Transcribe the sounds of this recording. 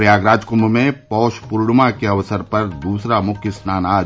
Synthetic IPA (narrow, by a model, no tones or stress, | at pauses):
ɾjaːɡɾaːd͡ʒkʊ̃mbʱmẽpɔːʃpʊɾɽmakeɐʋsəɾpɐɾd̪uːsɾamʊkʰjəsnaːnaː